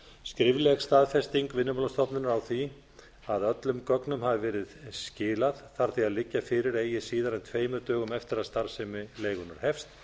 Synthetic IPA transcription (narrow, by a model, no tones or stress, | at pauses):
skɾɪvlɛɣst̪aːðfɛst̪iŋkvɪnːʏmɔlast̪ɔpnɪnaɾawθi | aðœt̪lʏmkœknʏmhavɪvɛːɾɪðscɪːlaðθaɾ̥θiaðlɪcːafɪːɾɪɾeːjɪsiːðaɾɛnt̪ʰveːjmʏɾt̪œːɣʏmɛft̪ɪɾaðst̪aɾ̥sɛmɪleːjɣʏnaɾ̥hɛfst̪